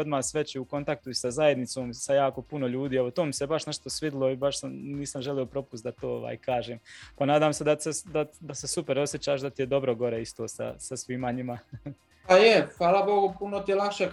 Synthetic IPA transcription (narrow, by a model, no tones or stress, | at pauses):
od̪maːsʋe̞t͡ɕiuko̞nt̪ak̚t̪uisazaje̞d̪nit̪so̞ːmsajaːko̞puno̞ʎuːd̪iːeʋo̞t̪oːmisebaʃne̞ʃt̪o̞sʋid̪ɪlˠo̞ibaʃsamniːsamʒelio̞pɾo̞pust̪d̪at̪oːo̰ʋa̰ːjkʰaːʒeːmpanaːd̪aːmse̞d̪ased̪ad̪ase̞supe̞ɾo̞sjet͡ɕaːʃd̪at̪ijed̪o̞bɾoɡo̞ɾeist̪oːsa̰sasʋiːmaɲima | pajexʋaːlabo̞ɡupunot̪ijelakʃe